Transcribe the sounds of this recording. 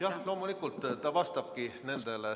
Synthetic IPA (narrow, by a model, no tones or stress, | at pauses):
jɑhlo̞ːmulikːˑult̪ˑːt̪ɑvɑst̪ɑb̥̚kine̞nd̪̥e̞le